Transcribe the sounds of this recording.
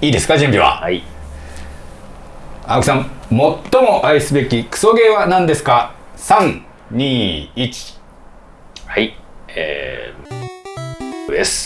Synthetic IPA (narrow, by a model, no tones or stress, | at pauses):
iːd̪e̞sɨ̥kad͡ʑɨ̃mbʲiβa̰ai | akɯ̟sãmmo̞t̪ːo̞mo̞ʔaisɨbe̞kʲikɯ̟̥so̞ɡe̞ːβanãnd̪e̞sɨ̥kasãŋ | ɲ̟iːit͡ɕi̥ | haiḛ | ɯd̪esɨ̥